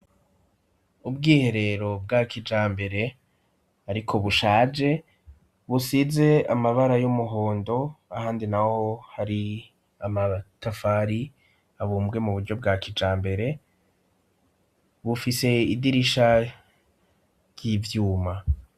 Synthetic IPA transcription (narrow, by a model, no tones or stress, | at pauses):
ubɡiːhe̞ɾe̞ɾo̞b̚ɡakʰid͡ʒaːmbe̞ɾe̞ | aɾikʰo̞βuʃaːd͡ʒe̞ | βusize̞amaβaɾajomuɦo̞ːndo̞ahaːndinaho̞haɾi | amatafaɾi | aβuːmbɡe̞muβuɾɟo̞b̚ɡakid͡ʒaːmbe̞ɾe̞ | βufise̞idiɾiʃa | jivjuːma